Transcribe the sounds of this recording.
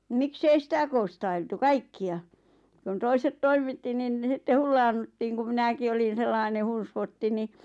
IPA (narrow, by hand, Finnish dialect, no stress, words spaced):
miksei sitæ kõːstɑiltu kɑikːiɑ k̆ŭn̆ toiset toimˑitːi nin sitːe hulːɑːnːutːiːŋ ku minæki olin̞ selːɑine hun̞sʋotːi ni